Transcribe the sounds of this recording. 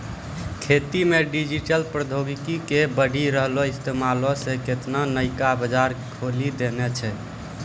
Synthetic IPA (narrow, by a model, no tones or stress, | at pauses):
kʰet̪imeɖid͡ʒiʈəlpɾəd̪ʱoɡikikebəɖʱiɾəɦloist̪emalɔseket̪nanəɪkabəd͡ʒaɾkʰolid̪enɛt͡ʃʰɛ